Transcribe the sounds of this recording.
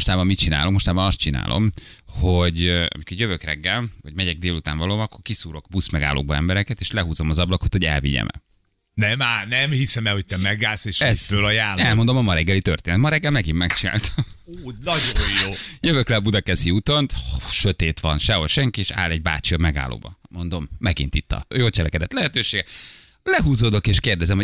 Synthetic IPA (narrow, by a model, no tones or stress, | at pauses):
oʃt̪aːbɒmmit̪̚t͡ʃina̰ːlomo̞ʃt̪aːbɒnɒst̪̚t͡ʃina̰ːlʔo̞̰mhoɟɒ̰mikorjøvøkrɛɡːɛlʋɒɟmɛɟɛɡ̚d̪eːlut̪a̰ːnvɒloːmɒkːo̞rkisuːɾo̞kbusmɛɡa̰ːlʔo̰ːɡbɒɛ̰mbɛɾɛkɛt̪eːʃlɛɦuːzomɒzɒblɒko̞t̪ho̞ɟɛ̰lvḭɲɛ̰mɛ̰ | nɛmaːnɛmhisɛmɛho̞c̚t̪ɛmɛɡaːseːʃɛt̪øːlɒjaːlːɛlmo̞nd̪o̞mɒmɒɾɛɡːɛlit̪ørt̪eːnɛt̪mɒɾɛɡːɛlmɛɡimːɛkt͡ʃina̰ːlt̪ʰɒ̥ | oːnɒɟojjoːjøvøklɛɒbud̪ɒkɛsiut̪o̞nt̪ʃøt̪eːt̪ʋɒnʃɛɦolʃɛŋkieʃa̰ːlɛɟ̚ba̰ːt͡ʃiɒmɛɡa̰ːlo̰ːbɒ̰mo̞nd̪o̞mːɛɡḭnt̪it̪ːɒ̰joːlt͡ʃɛlɛkɛd̪ɛt̪lɛɦɛt̪øːʃeːɡɛ | lɛɦuːzoːd̪o̞keːʃkeːrd̪ɛzɛmho